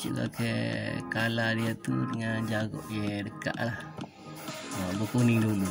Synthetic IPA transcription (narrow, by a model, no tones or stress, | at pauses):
t͡ʃḭʔla̰kekaladiat̪ṵdəŋand͡ʒaɡɔ̰ʔjedəka̰ʔlah | əbokunidulu